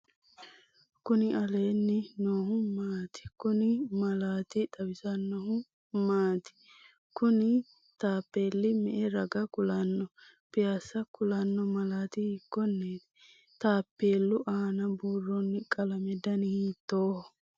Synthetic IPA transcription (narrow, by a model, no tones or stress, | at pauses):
kʊnɪɐleːnːɪnoːhʊmaːt̪ɪ̥kʊnɪmɐlaːt̪ɪd̪ɐwɪsɐnːɔhʊ | maːt̪ɪ̥ | kʊnɪ | t̪aːpːe̞ːlːɪmɛʔɛɾɐɡɐkʊlɐnːɔ | pɪjasɐkʊlɐnːɔmɐlaːt̪ɪhɪkːɔnːeː | t̪aːpːeːlːʊʔaːnɐbuːrɔnːɪkʼɐlɐmɛd̪ɐnhiːt̪ːoː